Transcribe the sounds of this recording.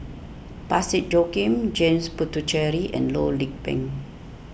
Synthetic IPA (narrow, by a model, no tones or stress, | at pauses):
pasit̚d͡ʒokĩmd͡ʒẽmsputut͡ʃɛɹiʔɛ̰̃nlolik̚bɛ̰̃ŋ